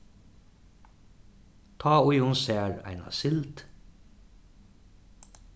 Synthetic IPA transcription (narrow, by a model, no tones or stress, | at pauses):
t̪ʰɑːʊjʊnsæːɾæ̰ɪna̰sɪlt̪